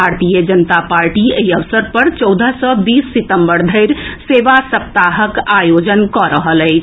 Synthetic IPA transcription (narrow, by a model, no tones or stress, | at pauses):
aɾt̪ijəd͡ʒənət̪apaɾʈieiəʋsəɾpəɾt͡ʃɔwd̪ʱəsɔbiːsːit̪əmbəɾd̪ʱəɪɾseʋasəp̚t̪aɦəkajod͡ʒənkɔɾəɦəlɛɪt͡ʃʰ